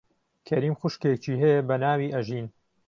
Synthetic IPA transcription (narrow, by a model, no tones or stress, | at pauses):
kʰɐɾiːmxʊʃket͡ʃiːɦɛjebɐnaːwiːʔɐʒiːn